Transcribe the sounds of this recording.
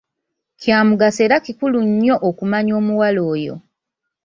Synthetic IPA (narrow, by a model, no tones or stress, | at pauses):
cjaːmuɡase̞ːɾakikuluɲːo̞ʔokumaɲo̞ːmuwalo̞ːjo̞̰